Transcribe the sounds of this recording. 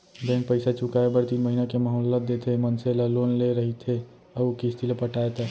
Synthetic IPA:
bɛ̃ŋk̚pəɪsat͡ʃʊkaebəɾt̪iːnməɦinakeməɦɔːlːət̪̚d̪et̪ʰemənselaloːnleɾəɦit̪ʰe | əukist̪ʰilepəʈaːet̪ɛ

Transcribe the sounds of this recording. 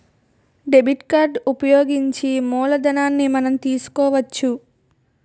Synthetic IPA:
ɖebʱiʈkaːɾɖupɐjoːɡiɲt͡ʃimuːlɐd̪ɐnaːnːimɐnɐmt̪iːsu̥kɔːʋɐt͡ʃːu

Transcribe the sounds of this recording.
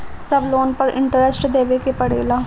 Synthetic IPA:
səbloːnpəɾɪ̰ɳʈəɾɛsʈd̪eːʋeːkepəɽḛːlaː

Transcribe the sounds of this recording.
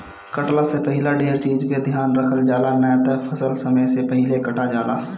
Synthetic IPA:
kəʈlasepəɦɪlaɖeːɾt͡ʃiːzked̪ʱjaːnɾəkʰəld͡ʒaːlanət̪əpʰəsəlsɐməjsepəɦɪlekɐʈad͡ʒaːla̰ː

